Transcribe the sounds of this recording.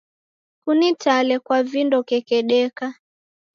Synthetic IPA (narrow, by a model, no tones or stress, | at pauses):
kunitalɛkwavindɔkɛkɛɗɛka